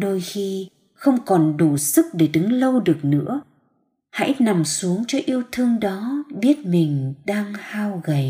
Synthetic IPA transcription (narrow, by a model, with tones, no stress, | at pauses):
ɗo˧jxi˧ | xə˧wŋ͡mkɔ˨˩nɗu˧˩sɨ˦˥k̚ɗe˧˩ɗɨ˨˦ŋlə˧wɗɨ˨˩ək̚nɨ̰˧˥ə | ha̰˧˥jna˨˩msu˨˦əŋt͡ɕɔ˧ʔi˧əwt̪ʰɨ˧əŋɗɔ˨˦ɓi˦˥ət̚mï˨˩ŋ̟ɗaː˧ŋhaː˧wɣə˨˩j